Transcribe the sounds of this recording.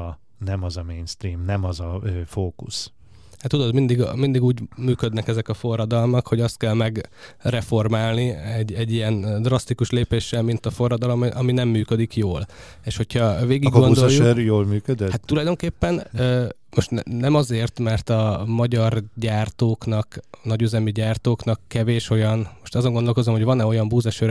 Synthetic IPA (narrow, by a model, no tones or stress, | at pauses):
nɛmɒzɒmeːnst̪ɾiːmnɛmɒzɒfoːkus | hat̪ːud̪o̞d̪mind̪iɡmind̪iɡuːɟmyːkød̪nɛkɛzɛkɒfo̞rːɒd̪ɒlmɒkho̞ɟɒst̪̚kɛlmɛɡrɛfo̞rmaːlniɛɟːɛɟːijɛnd̪rɒst̪ikuʃleːpeːʃːɛlmint̪ɒfo̞rːɒd̪ɒlomʔɒminɛmːyːkød̪ikjoːl | eːʃho̞cʰhɒveːɡiɡɡond̪ojuɛɾjoːlmyːkød̪ɛhat̪ːulɒjd̪o̞ŋkeːpːɛnø | mo̞ʃt̪nnɛmɒzeːrt̪mɛrt̪ɒmɒɟɒrɟaːrt̪oːknɒknɒɟyzɛmiɟaːrt̪oːknɒkːɛveːʃo̞jɒnmo̞ʃt̪ɒzo̞ŋɡond̪olko̞zomho̞ɟvɒnɛo̞jɒmbuːzɛʃøɾ